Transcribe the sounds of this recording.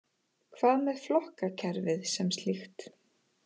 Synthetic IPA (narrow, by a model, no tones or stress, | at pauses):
kʰvaːðmɛðflɔhkacʰɛɾvɪðsɛmst̪lixt̪